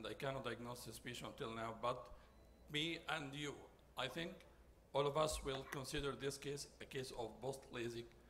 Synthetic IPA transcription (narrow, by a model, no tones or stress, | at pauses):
ndajkæ̃ñɔt̚d̥ajɡ̚noʊsɨspɪʃnə̃ntɪlˠnaʊbʌt̪ | miæ̃nju | ʔajθɪ̃ŋk | ɔlˠɔvʌswɪlˠkɔ̃nsɪdə˞ðɪskeɪsɨkeɪsɔvbostʰlezɪk